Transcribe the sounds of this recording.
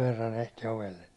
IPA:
ʋerːɑn ehti oʋelːe

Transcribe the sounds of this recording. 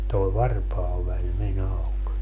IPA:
toe ʋɑrpɑːʋælʲ men ɑuk

